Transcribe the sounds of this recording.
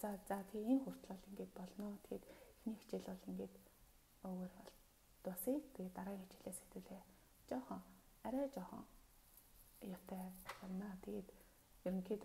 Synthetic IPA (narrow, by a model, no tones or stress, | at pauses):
t͡sat͡sat̪ʰeːnxʊr̥t̪ɮɔːɮiŋɡeːt̪̚pɔɮnɔːt̪ʰet̪xniːxt͡ɕiɮɔɮiŋɡeːt̪ | ɵːɣoːrpɔɮ | t̪ʊsit̪ʰeɡet̪ːaɾaːŋɡit͡ɕɪ̥̆ɮeːset̪ɘ̆ːɮeː | t͡ɕɔχəŋæɾæːt͡ɕɔχɞ̰̆ŋ | jɔt̪ʰæːpɔɮnaːt̪ʰeɡet̪ | jɵɾɵ̆ŋxiːt̪